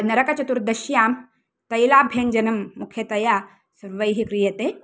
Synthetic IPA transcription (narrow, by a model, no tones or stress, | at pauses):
nɐɾɐkɐt͡ʃɐt̪uɾd̪ɐʃjaːm | t̪ɐjlaːbʱjeːnd͡ʒɐnɐmːukʰjɐt̪ɐjaː | sɐɾʋɐjɦikɾijɐt̪e